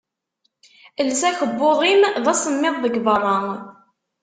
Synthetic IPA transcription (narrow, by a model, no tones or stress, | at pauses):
əlsæçəbːoðˤimðæsəmːɪðˤðəɡvərˤːɑ